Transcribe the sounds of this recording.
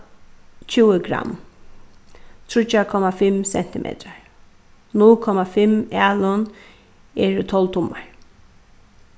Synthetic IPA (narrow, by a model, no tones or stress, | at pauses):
t͡ʃʰuːəɡɾa̰m | t̪ʰɹʊt͡ʃakʰɔmafɪmsɛ̰n̥t̪ɪmʔḛːt̪aɹ | nʊlkʰɔmafɪmalʊn | ɛɹt̪ʰɔlt̪ʰʊmaɹ